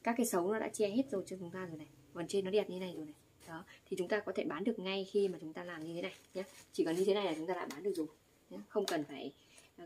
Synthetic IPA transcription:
kaː˦˥kːaː˨˦jsə˨˦wnɔ˨˦ɗa̰ː˧˥t͡ɕɛ˧he˦˥t̚zo˨˩jt͡ɕɔ˧t͡ɕʊ˨˦ŋ͡mt̪aː˧zo˨˩jna˨˩jkɔ˨˩nt͡ɕe˧nːɔ˨˦ɗɛ˨˩t̚ɲʰ˧˨˦na˨˩jzo˨˩jna˨˩j | ɗɔ˨˦t̪ʰi˨˩t͡ɕʊ˨˦ŋ͡mt̪aː˧kɔ˨˦t̪ʰe˧˩ɓaː˨˦nɗɨ˨˩ək̚ŋa˧jxi˧maː˨˩t͡ɕʊ˨˦ŋ͡mt̪aː˧laː˨˩mɲɨ˧t̪ʰe˨˦na˨˩jɲaː˨˦t͡ɕi˧˩kɔ˨˦nɲɨ˧e˨˦na˨˩jlaː˨˩t͡ɕʊ˨˦ŋ͡mt̪aː˧l̰ːɓaː˨˦ɗɨ˨əkzu˨˩ | ɲa˨˦xə˧wŋ͡mkə˨˩nfaː˧˩j

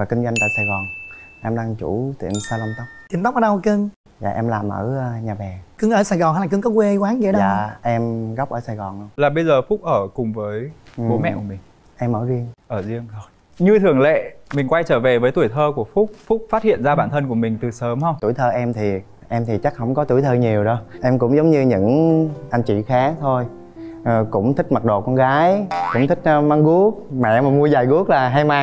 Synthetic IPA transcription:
vaː˨˩kï˧ŋzwa˧jŋ̟t̪a̰ː˧˨jsaː˨˩jɣɔ˨˩nʔɛ˧mɗaː˧ŋt͡ɕu˧˩t̪ḭ˧˩əmsaː˧lə˧mt̪ə˦˥wk͡p̚ti˧˩nt̪a˦˥k͡p̚ʔəː˨˧˦ɗə˧wkɨ˧ŋ | za̰ː˨˩ʔɛ˧mlaː˨˩mʔə̰ː˧˩˧ɲaː˨˩ɓɛ˨˩kɨ˧ŋʔəː˧˩saː˨˩jɣɔ˨˩na˧˦la˨˩kɨ˧ŋkɔ˨˦kwe˧kwaː˨˦ŋzi˧˨˦ɗə˧aː˨˩ʔɛ˧mɣɔ˦˥k͡p̚ʔəː˧˩saː˨˩jɣɔ˨˩nlə˧wlaː˨˩ɓə˧jzəː˨˩fʊ˦˥k͡p̚ʔəː˧˩kʊ˨˩ŋ͡mvəː˨˦jvo˨˦mɛ̰˧˨ʔku˧˩əmï˨˩ŋ̟ | ʔɛ˧mʔəː˧˩ɣi˧əŋʔəː˧˩zi˧əmt̪ʰo˨˩j | ɲɨ˧t̪ʰɨ˨˩əŋlḛ˧˨mï˨˩ŋ̟kwa˧jt͡ɕəː˧˩ve˨˩vəː˨˦jt̪u˧˩əjt̪ʰəː˧ku˧˩əfʊ˦˥k͡p̚fʊ˦˥k͡p̚faː˦˥t̚hḭ˧˨nzaː˧ɓaː˧˩˨nt̪ʰə˧nku˧˩əmï˨˩ŋ̟t̪ɨ˨˩səː˨˦mhə˧wŋ͡mt̪u˧˩˨jt̪ʰəː˧ʔɛ˧mt̪ʰi˨˩ | ʔɛ˧mt̪ʰi˨˩t͡ɕa˦˥k̚hə̰˧˥wŋ͡mkɔ˨˦t̪u˧˩jt̪ʰəː˧ɲi˨˩əwɗɔ˨˦ʔɛ˧mkʊ̰˧˥ŋ͡mzə˨˦wŋ͡mɲɨ˧ɲɨ̰˧˥ŋʔa˧jŋ̟t͡ɕḭ˧˨xaː˨˦˥t̪ʰo˧jː | kʊ̰˧˥ŋ͡mt̪ʰï˦˥k̚ma˨˩ɗo̰˨kɔ˧nɣaː˨˦jkʊ̰˧˥wŋ͡mt̪ʰï˦˥k̟̚ma˧ŋɣu˦˥ək̚mɛ̰˧˨maː˨˩mu˧əzaː˨˩jɣu˦˥ək̚laː˨˩ɦa˧jma˧

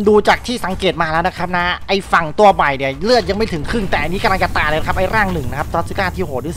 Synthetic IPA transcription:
nduː˧t͡ɕaː˨˩k̚t̪ʰiː˥˩sa˩˦ŋkeː˨˩t̪̚maː˧lɛː˦˥wna˦˥kʰa˦˥p̚na˦˥ʔa˧jfa˨˩ŋt̪u˧ɐba˨˩jni˨˩ɐlɯ˥˩ət̪̚ja˧ŋma˥˩jt̪ʰɯ˩˦ŋkʰɾɯ˥˩ŋt̪ɛː˨˩ʔa˧nːi˦˥ka˧la˧ŋt͡ɕa˧t̪aː˧lːna˥kʰa˦˥pʔa˧jɾaː˥˩ŋnɯ˨˩ŋna˦˥kʰp̚sɔ˦˥sɯ˦˥kaː˥˩t̪ʰiː˥˩ho˨˩ɾiː˦˥s

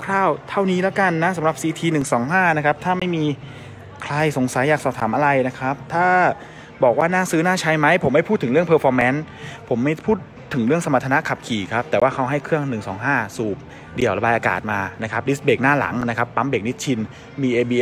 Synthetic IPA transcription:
kʰɾaː˥˩wt̪ʰa˥˩wniː˦˥lɛː˦˥wka˧nːa˦˥sa˨˦mɾa˨˩p̚siː˧t̪ʰiː˧nɯ˨˩ŋsɔː˩˦ŋɦaː˥˩na˦˥kʰa˦˥p̚t̪ʰaː˥˩ma˥˩jmiː˧ | kʰla˧jso˨˩˦ŋsa˨˩˦jːaː˨˩k̚sɔː˨˩p̚t̪ʰaː˩˦mʔa˧ɾa˧jna˦˥kʰɾa˦˥p̚t̪ʰaː˥˩ | bɔː˨˩k̚waː˥˩naː˥˩sɯː˦˥naː˥˩t͡ɕʰa˧˥jma˦˥jpʰo˩˦mːa˥˩jpʰuː˥˩t̪ʰːɯ˩˦ɾɯ˥˩əŋpʰɤː˧fɔː˧mɛː˦˥n | pʰo˩˦mːa˥˩jpʰuː˥˩t̪ʰːɯ˩˦ŋɾɯ˥˩əŋsa˧ma˨˩t̪ʰːa˧na˦˥kʰa˨˩p̚kʰiː˨˩kʰa˦˥p̚t̪ɛː˨˩waː˥˩kʰa˦˥wɦa˥˩jkʰɯ˥˩əŋnɯ˨˩ŋsɔː˩˦ŋɦaː˥˩suː˨˩p̚ | di˨˩əwɾa˧baː˧jʔaː˧ka̰ː˨˩t̪̚maː˧na˦˥kʰa˦˥p̚di˦˥beː˨˩k̚naː˥˩la̰˩˦ŋna˦˥kʰa˦˥pːa˦˥mbeː˨˩k̚ni˦˥t̪̚t͡ɕʰi˧n | miː˧ʔeː˧biː˧

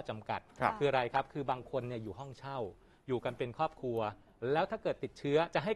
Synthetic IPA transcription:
t͡ɕa˧mka˨˩t̪̚kʰɯː˧ɾa˧jkʰa˦˥p̚kʰɯː˧baː˧ŋkʰo˧nːi˥˩ɐjuː˨˩ɦɔ˥˩ŋt͡ɕʰa˥˩w | juː˨˩ka˧npe˧nkʰɔː˥˩p̚kʰɾu˧ɐ | lɛː˦˥wt̪ʰaː˥˩kɤː˨˩t̪ːi˨˩t̪̚t͡ɕʰɯ˦˥ɐt͡ɕa˨˩ʔɦa˥˩

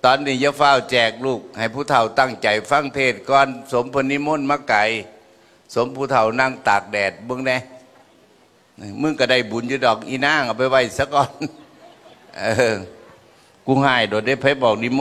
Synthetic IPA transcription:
t̪ɔː˨˩nːiː˧˩ja˧˨faː˧˩˨wt͡ɕɛː˨˩k̚luː˧˩k̚ha˨˩jpʰu˧˩t̪ʰa˧˩wt̪a˧˩ŋt͡ɕa˨˩jfa˧˥˨ŋt̪ʰeː˧˩t̪̚kɔː˧˨nso˨˦mpʰɤ˧˨nːi˧˥˨mo˧˥˨nmaː˧˨ka˨˦j | so˨˦mpʰu˧˩t̪ʰa˧˩wna˧˩˨ŋt̪aː˨˩k̚dɛː˨˩t̪̚bɯ˧ə˨ŋnɛ˧˩˨ | mɯ˧˥˨ŋka˧˩da˧˩jbu˨˦njuː˧˦dɔː˨˩k̚ʔi˧˨naː˧˥˨ŋa˧˩pa˧˨jwa˧˩jsa˧˦kɔː˧˨n | ʔɤː˧˩ | ku˧˩haː˧˩jdoː˨˩jda˧˩jpʰa˧˥˦bɔː˨˩k̚ni˧˥˨mo˧˨

